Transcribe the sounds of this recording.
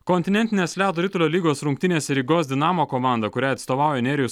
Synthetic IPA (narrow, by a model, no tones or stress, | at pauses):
kɔnʲt̪ʲɪnʲɛnʲt̪ʲɪnʲeːslʲæːd̪oɾʲiːt̪ʊlʲoːlʲiːɡoːsɾʊŋk̚ʲt̪ʲɪnʲeːsʲɛɾʲiːɡoːs̬ʲd̪ʲɪnɑːmoːkɔːmɑˑnd̪ɐkʊɾʲæːɐt̪st̪oːʋɑˑʊjɛɛnʲɛɾʲɪjʊs